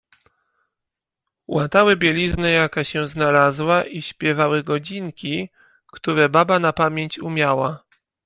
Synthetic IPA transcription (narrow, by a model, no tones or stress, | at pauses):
wat̪awɘbʲjɛlʲiznɛjakaɕɛznalazwaʔiɕpʲjɛvawɘɡɔd͡ʑiŋkʲi | kt̪uɾɛbabanapamʲjeɲt͡ɕumʲjawa